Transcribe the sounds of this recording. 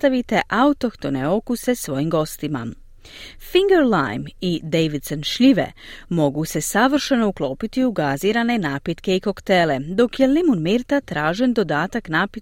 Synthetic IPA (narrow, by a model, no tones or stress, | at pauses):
t̪aʋit̪e̞ʔaut̪okt̪o̞neo̞kuse̞sʋo̞jimɡo̞st̪ima̰ | fiŋɡeɾla̰jmid̪ejʋid̪senʃʎiʋe̞̰mo̞ɡuse̞saʋr̩ʃeno̞uklˠo̞ːpit̪iuɡaziːɾane̞naːpit̪ke̞iko̞kt̪e̞ːle̞d̪o̞kje̞limunmiːɾt̪at̪ɾaːʒe̞nd̪o̞d̪aːt̪aknaːpi